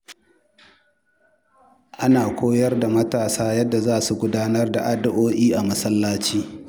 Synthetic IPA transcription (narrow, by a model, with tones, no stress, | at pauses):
ʔa˦naː˨kʷoː˦jɐ˦rda˨mɐ˦taː˨saː˦jɐ˦dːa˨zaː˦su˨ɡʷʊ˦daː˦nɐ˦rda˨ʔa˦dɐ˦ʔoː˦ʔiː˦ʔa˨mɐ˦sɐ˦lːaː˦t͡ʃiː˦